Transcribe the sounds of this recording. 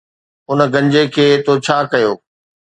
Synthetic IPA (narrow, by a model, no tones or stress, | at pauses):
ʊn̆ɡɐ̃ɲd͡ʑekʰeːt̪ʰot͡ɕʰaːkɐjoː